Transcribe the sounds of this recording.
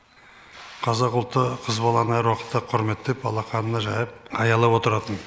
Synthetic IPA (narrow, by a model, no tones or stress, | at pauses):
qʰɑzɑqʊlˠt̪ːəqʰəzbɑlˠɑnɑjɾwɑqət̪ːəqʰʊɾme̞t̪ːepɑlˠɑqɑnənɑʒɑjəp̚ʰɑjɑlˠɑpwo̞t̪əɾɑt̪ən